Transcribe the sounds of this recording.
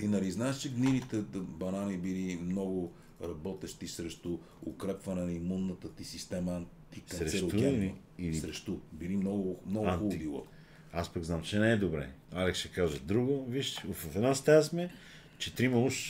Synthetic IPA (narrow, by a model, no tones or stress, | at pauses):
inɐliznaɛʃt͡ʃɛɡninit̪ɛbɐnanibilimnɔɡʊ | ɾɐbɔt̪ɛʃt̪isɾɛʃt̪ʊ | ʊkɾɛpvɐnɛnimunːət̪ət̪isist̪ɛməɐnt̪iksɐnɾɛsɾoɛ | ɾɛʃt̪ubilimnɔɡʊmnɔɡʊxuʊd̪ilˠə̰ | aspəɡznamt͡ʃɛnɛɛd̪obɾɛ̰ | alɛksʃɛkaʒəd̪ɾuɡoviʃvffɛd̪nast̪azmɛ | t͡ʃɛt̪ɾimɐuʃ